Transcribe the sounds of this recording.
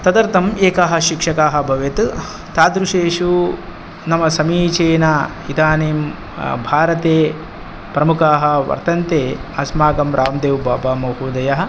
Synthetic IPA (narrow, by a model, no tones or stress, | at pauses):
t̪ɐd̪ɐɾt̪ɐmeːkaːɦɐ̆ʃikʂɐkaːɦɐ̆bʱɐʋjet̪ | t̪aːd̪ɾuʂeːʂu | nɐmɐsɐmiːt͡ʃeːnaː | id̪aːneːm | bʱaːɾɐt̪eː | pɾɐmukaːɦɐ̆ʋɐ̰ɾt̪ɐnt̪eːɐsmaːɡɐmɾʔaːmd̪eːʋbʱaːbaːmɐɦuːd̪ɐjɐɦɐ̆